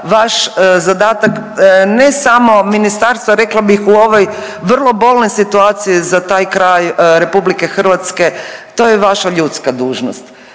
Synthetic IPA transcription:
ʋaʃzad̪aːt̪aknesamo̞minist̪aɾst̪ʋaɾe̞klˠabixuo̞ʋo̞j | ʋrlˠo̞bo̞lnosit̪uaːt̪sijizat̪aːjkɾajɾe̞publike̞xr̩ʋat̪ske̞t̪o̞ːjeʋaʃaʎut̪skad̪uːʒnost̪

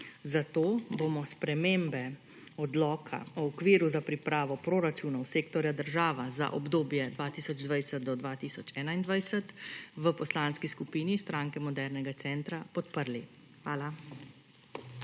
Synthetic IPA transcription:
zat̪oːbomɔspɾɛmeːmbɛ | ɔd̪lɔːkʰa̰ɔːkʋiːɾuzapɾipɾaːʋɔpɾoːɾat͡ʃuːnɔwseːkt̪ɔɾjad̪əɾʒaːʋaza̰ʔɔ̰bd̪oːbjɛd̪ʋaːt̪iːsɔd͡ʒd̪ʋajsɛt̪̚d̪ɔd̪ʋaːt̪iːsɔt͡ʃɛːnaind̪ʋajsət̪ʋəpɔslaːnskiskupiːnist̪ɾaŋkɛmɔd̪ɛɾnɛɡat̪sɛːnt̪ɾapɔt̪pəɾli | xʋaːla

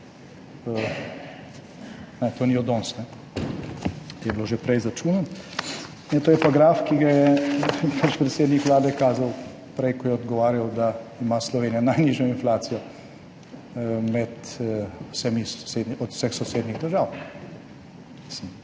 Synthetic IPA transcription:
ə | nɛt̪oːniɔd̪ɔnsnɛ | t̪ojɛbloʒɛpɾɛjzɾat͡ʃuːnan | nɛt̪oːjɛpaɡɾaːfkiɡajɛpat͡ʃpɾɛt̪seːd̪nikʋlaːd̪ɛkaːzaw | pɾɛjkɔjɛɔd̪ɡɔʋaːɾjawd̪aimaslɔʋeːnijanajniʒɔinflaːt̪sijɔ | mɛt̪ | sɛmisɔ̥seːd̪niɔt̪w̥sɛxsɔseːd̪niɣd̪əɾʒaːw | misim

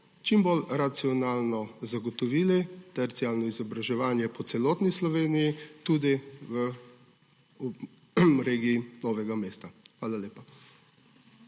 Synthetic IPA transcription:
t͡ʃimbolɾat̪siɔnaːlnɔzaɡɔt̪ɔʋiːlit̪ɛɾt̪siaːlnɔizɔbɾaʒɛʋaːnjɛpɔt̪sɛlɔːt̪nislɔʋeːnijit̪uːd̪iʋə | ɾeːɡijinɔːʋɛɡameːst̪axʋaːlaleːpa

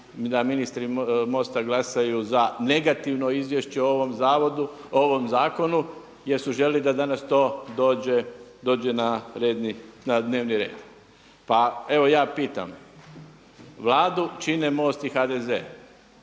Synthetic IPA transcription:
d̪aminist̪ɾimo̞ːst̪aɡlˠasajuzane̞ɡat̪iʋno̞izʋje̞ʃt͡ɕeooʋomzaːʋod̪uoʋo̞mzaːko̞nu | jeɾsuʒellid̪ad̪anast̪o̞ːd̪oːd͡ʑed̪o̞ːd͡ʒenaɾeːd̪ninad̪ne̞ːʋniɾḛːd̪̥ | pae̞ʋo̞jaːpiːt̪a̰m | ʋlˠaːd̪ut͡ʃine̞mo̞ːst̪ixad̪eze̞̰ː

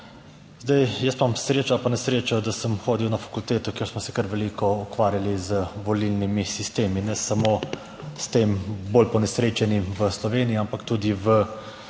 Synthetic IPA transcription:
zd̪ajjəst̪mamsɾeːt͡ʃapanɛsɾeːt͡ʃawd̪asəmxoːd̪iwnafḁkult̪eːt̪ɔkeːɾsmɔsɛkəɾʋɛliːkɔɔkʋaːɾjalizəʋɔlilnimisist̪eːminɛsamo | st̪eːmboːlpɔnɛsɾeːt͡ʃɛnimʋəslɔʋeːniːampakt̪uːd̪iʋə

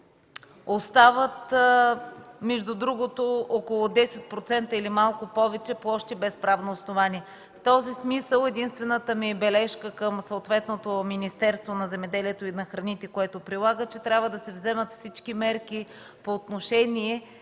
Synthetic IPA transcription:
ost̪avət̪ | mɛʒd̪ud̪ɾuɡot̪ookolˠod̪ɛsɛt̪̚pɾot̪sɛnt̪əilimalˠkʊpɔvɛt͡ʃɛpoɔʃt̪ɛbɛspɾavnoːsnovaniɛ | ft̪ɔzismisəlˠɛd̪inst̪vɛnət̪əmiɛbɛlɛʃkəkəmsoːt̪vɛt̪not̪ominist̪ɛɾst̪vonɐzɛmɛd̪ɛliɛt̪oinɐxɾɐnit̪ɛkoɛt̪opɾilˠaɡət͡ʃɛt̪ɾʲabvəd̪ɐsɛvzɛmət̪fsit͡ʃkimɛɾki | poːt̪noʃɛnʲiɛ

